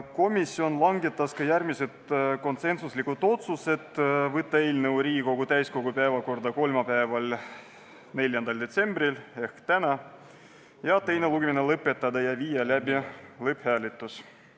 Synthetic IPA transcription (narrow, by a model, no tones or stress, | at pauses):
ko̞misːio̞nlɑŋɡet̪ːˑɑskɑjærmise̞t̪ko̞nse̞nsuslikut̪ːˑo̞t̪suse̞d̪̥vɤt̪ːɑe̞ːlnɤwɾiːko̞ɡ̥ut̪æjsko̞ɡ̥upæːvɑko̞rd̪̥ɑko̞lmɑpæevɑl | ne̞lʲjɑnd̪̥ɑld̪e̞t̪se̞mbrile̞hkt̪ænɑ | jɑt̪e̞jne̞luɡeminelɤpːˑe̞t̪ːɑd̪ɑjɑviːjɑlæbilɤphæːlit̪ːˑus